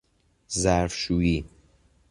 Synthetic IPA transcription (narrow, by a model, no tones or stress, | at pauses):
zæɾfʃuːiː